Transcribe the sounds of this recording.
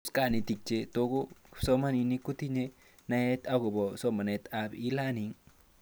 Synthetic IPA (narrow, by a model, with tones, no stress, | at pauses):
ska˨ni˨t̪i˨k̚t͡ʃe˦t̪o˧ɡo˦sɔ˦ma˦ni˧ni˦ku˦t̪i˦ɲe˦ | na˧je˦t̪a˦ɡo˨bɔ˨sɔ˦ma˨ne˨t̪a˨bi˦la˦ni˨˦ŋ